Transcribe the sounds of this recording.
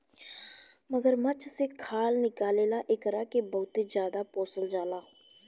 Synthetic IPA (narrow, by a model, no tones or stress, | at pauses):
məɡəɾmət͡ʃʰseːkʰaːlnɪkaːleːlaːʔɪkəɾaːkebəːʊt̪eːd͡ʒjaːd̪aːpoːsəld͡ʒaːlaː